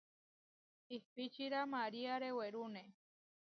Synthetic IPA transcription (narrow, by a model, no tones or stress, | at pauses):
ihpit͡ʃiɾamaɾiaɾeweɾune